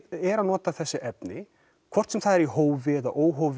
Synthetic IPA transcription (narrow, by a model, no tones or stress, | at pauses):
ɛɾaðnɔːt̪aθɛsːɪʔɛpnɪ | kʰv̥ɔr̥t̪sɛmθaðɛɾiɦoːwvɪða̰ʔoːwɦowv